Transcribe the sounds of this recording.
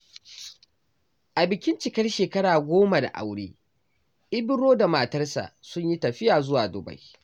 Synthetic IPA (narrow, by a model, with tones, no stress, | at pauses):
ʔa˨bɪ˨kʲɪ˦nt͡ʃɪ˨kɐ˦rʃeː˨kɐ˦ɽaː˨ɡʷoː˦ma˨da̰˨ʔa̰˨wɽeː˦ | ʔɪ˦bɪ˦ɽoː˦da˨maː˨tɐ˦rsa̰˨ʔsʊ˦ɲji˦tɐ˨ɸɪ˦jaː˨zʊ˦waː˨dʊ˨ba̰˦j